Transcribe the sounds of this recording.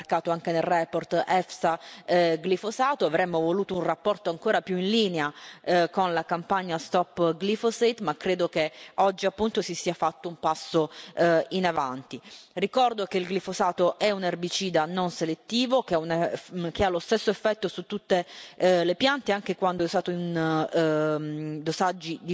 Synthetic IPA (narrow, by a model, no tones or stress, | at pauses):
rkaːt̪oaŋk̟enelrɛport̪ɛfsaɡlifosaːt̪oavɾɛmːovoluːt̪ounrapːɔrt̪oaŋkoːɾapjuinliːneakonlakampaɲːast̪ɔpːɡlifoset̪makːɾeːd̪okeɔd͡ʒːiapːunt̪osisiːafat̪ːoumpasːoinava̰nt̪irikɔrd̪okeilɡlifosaːt̪oʔɛunɛrbit͡ʃiːd̪anonselet̪ːiːvokeaunekealost̪esːoefːɛt̪ːosut̪ːut̪ːelepjant̪eaŋk̟ekwand̪oɛst̪aːt̪oin | d̪osad͡ʒːid̪i